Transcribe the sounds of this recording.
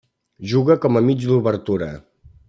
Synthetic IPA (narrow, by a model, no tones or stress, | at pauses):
ʒuɣəkɔməmid͡ʒd̪uβəɾt̪uɾə̰